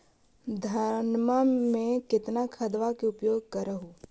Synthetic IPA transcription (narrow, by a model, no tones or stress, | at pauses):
d̪ʱɐɾnmamẽkɪt̪nakʰɐd̪ʋakeʊpjoːɡ̚kɐɾəɦũː